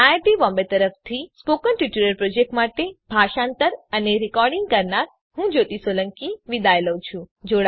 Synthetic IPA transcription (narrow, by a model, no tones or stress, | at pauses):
aʈiʋɔ̃mbet̪əɾəft̪ʰispokənʈiʈuɾəɾpɾod͡ʒek̚ʈmaʈebʱaʃãnt̪əɾəneɾikɔɾɖiŋɡ̚kəɾnaɾ | hũd͡ʒot̪isoləŋkiʋid̪ajləwt͡ʃʰũd͡ʒoɽa